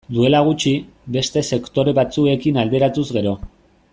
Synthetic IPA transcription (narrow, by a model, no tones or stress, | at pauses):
d̪ue̞laɣ̞ut͡ʃi | be̞st̪e̞se̞kt̪o̞ɾe̞βat͡sue̞kinald̪e̞ɾat̪uzɣe̞ɾo̞